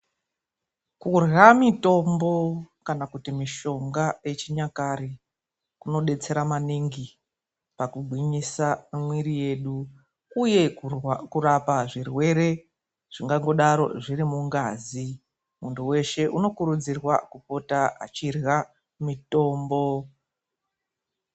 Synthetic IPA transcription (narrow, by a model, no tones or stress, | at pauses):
kurɣamito̞mbo̞kanakutimiʃo̞ŋɡaje̞t͡ʃiɲakaɾi | kuno̞ɗe̞t͡se̞ɾamaniŋɡi | pakuɡʱwiɲisaimwiɾije̞ɗu | uje̞kurapaʐirwe̞ɾe̞ | ʐ̥iŋɡaŋɡo̞ɗaɾo̞̰ʐiɾimuŋɡazi | muntuwe̞ʃe̞ʔuno̞kuɾud͡zirwa̰kupo̞taa̰t͡ʃirɣa | mito̞ːmbo̞